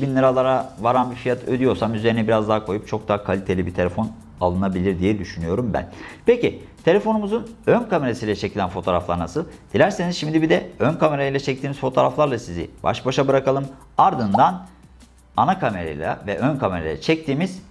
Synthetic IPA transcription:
binlˠɯɾalˠaɾavaɾanbiɾfijat̪ʰød̪yjo̞ɾsamyze̞ɾinɛbiɾazd̪aːkʰo̞jup̚t͡ʃʰo̞k̚d̪aːkʰalʲit̪ʰe̞lʲibit̪ʰe̞lʲefo̞n | a̰lˠɯnabilʲiɾd̪ijɛd̪yʃynyjo̞ɾumbæ̰npʰecit̪ʰe̞lʲe̞fo̞numuzunønkʰame̞ɾasijlʲɛt͡ʃʰecʰilʲænfo̞t̪ʰoːɾa̰flˠa̰ɾnasɯlˠd̪̥ilʲæɾsenizʃimd̪ibid̪ɛønkʰame̞ɾajilʲˠɛt͡ʃʰɛc̚t̪ʰiːmiz̥fo̞t̪ʰo̞ːɾaflˠaɾlˠasizḭb̥a̰ʃbaʃabɯɾakalˠɯm | aɾd̪ɯnd̪an | anakʰame̞ɾa̰j̰lʲˠa̰vɛʔønkʰame̞ɾa̰ja̰t͡ʃʰɛc̚t̪ʰiːmiz̥

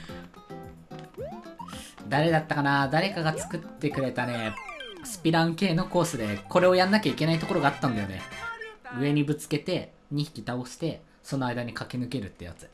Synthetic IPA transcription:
d̪aɾe̞d̪at̪ːakanad̪aɾe̞kaɡat͡sɨ̥kɯ̟t̪ːe̞kɯ̟ɾe̞t̪ane̞sɨ̥pʲiɾãŋ̃ke̞ːno̞ko̞ːsɨd̪e̞ko̞ɾe̞o̞jãnːakʲaike̞nait̪oko̞ɾo̞ɡaːt̪ːãnd̪ajo̞̰ne̞̰ | ɯ̟e̞ɲ̟ibɯ̟t͡sɨ̥ke̞t̪e̞ | ɲ̟içi̥kʲit̪aoɕi̥t̪e̞ | so̞no̞aid̪aɲ̟ikakʲenɯ̟ke̞ɾɯ̟t̪ːe̞ja̰t͡sɨ̥

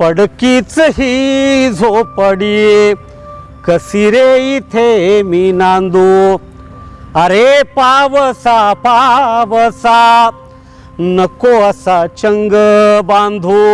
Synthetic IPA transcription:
pɐɽkit͡sɐɦizʱopɐɽi | kɐsiɾeit̪ʰemiːnaːnd̪u | ɐɾepaːʋɐsapaːʋɐsa | nɐkoɐsat͡ʃɐŋɡɐbaːnd̪ʱu

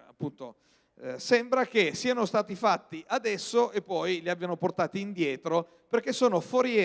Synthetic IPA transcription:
a̰pːunt̪o̰ | sɛmbɾak̟esːiːanost̪aːt̪ifat̪ːiʔad̪ɛsːoʔepːɔjliabːjanoport̪aːt̪iːnd̪jɛːt̪ɾo | perk̟ːesːoːnofoɾje

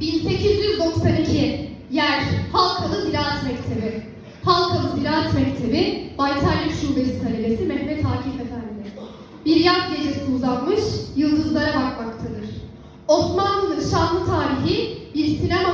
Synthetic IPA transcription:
binse̞cʰizjyzd̪o̞ksanicʰi | jæɾ̥halˠkʰalˠɯziɾʲaːɛt̪mɛcʲt̪ʰe̞bɪ | halˠkʰalˠɯzilaːat̪mɛct̪ʰe̞bɪbajt̪ʰaɾjaʃuːbe̞sit̪ʰaɾibesimɛhmɛt̪ʰaːcʰifet̪ʰændid̪ɪ | biɾjapded͡ʒesiniuzat̪mɯʃjɯlˠd̪ɯzlˠaɾabakmakt̪ʰad̪ɯɾ̥ | o̞smanlˠɯlˠɯnʃanlˠɯt̪ʰaːɾiɦibiɾsinama

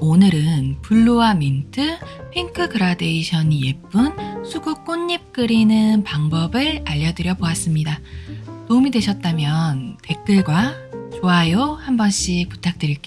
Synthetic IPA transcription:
onɯɾɯnpuɭːoamintʰɯpʰiŋkʰɯɡɯɾade̞iɕʰʌnije̞p͈unsʰuɡuk͈oɲːip̚k͈ɯɾinɯnpaŋbʌbɯɭaʎːʌdɯɾjʌboas͈ɯmɲidanomidwe̞ɕʰʌt̚t͈amjʌnte̞k͈ɯɭɡwat͡ɕoajohambʌnɕ͈ik̚pu̥tʰak̚t͈ɯɾiɭk͈e

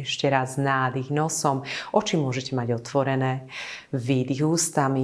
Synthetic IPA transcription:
ɛʃcɛɾazznaːd̪iɣnɔsɔmʔɔt͡ʃimʊɔʒɛcɛmaɟɔt̪ʋɔɾɛnɛːvid̪iɣuːst̪ami

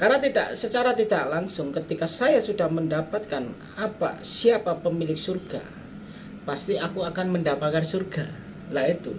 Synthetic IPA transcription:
karnat̪ida̰ʔsət͡ʃaɾat̪idaʔlaŋsʊŋkət̪ikasajasudahməndapat̪̚kan | apa̰siapapəmilɪksurɡa̰ | past̪iakuakanməndapat̪kansurɡa | lahit̪ṵ

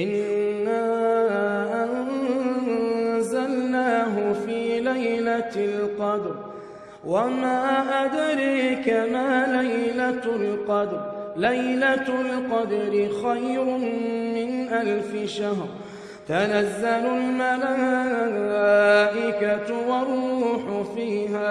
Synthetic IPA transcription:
ʔɪnː | aː | ʔan | zalnaːɦʊfiːlajlalqɑd̪ɾ | wamaːʔad̪ɾiːkamaːlajlalqɑd̪ɾlajlalqɑd̪ɾɪxajɾʊmmɪnʔalfɪʃaɦɾˤ | t̪anazːalʊlmalaː | aːʔɪkat̪wɑrˤuːħʊfiːhaː

